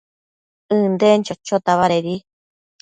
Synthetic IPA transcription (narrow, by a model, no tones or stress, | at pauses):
ɨːnd̪ent͡ʃot͡ʃːot̪aβaɾeɾi